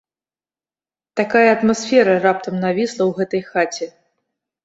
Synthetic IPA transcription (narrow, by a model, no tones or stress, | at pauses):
t̪akajɐːt̪masfʲɛɾɐrap̚t̪ɐmnavʲislˠɐwɣɛt̪ɐjxat͡sʲɛ